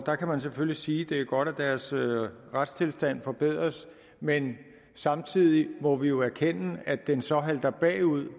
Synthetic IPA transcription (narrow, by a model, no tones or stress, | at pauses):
d̥ɑ̈kʰæmæns̬eføllisiːd̥e̝æɐɡ̥ɒ̽d̥æd̥æɐsʁad̥st͡sʰe̝lsd̥æn̰fɒ̽b̥e̝ð̰ˠʁɐs | men | sɑ̈mt͡sʰið̰ˠimɒ̽ʋijo̝æɐkʰen̰əæd̥ensɒ̽ɦæld̥ɐb̥ɛ̰ːuð̰ˠ